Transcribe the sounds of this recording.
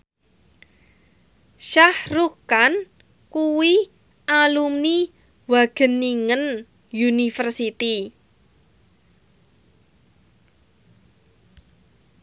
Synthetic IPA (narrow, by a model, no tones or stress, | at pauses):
ʃahrukan | kuwi | ʔalumni | waɡ̥ə̤niŋən | junifərsit̪i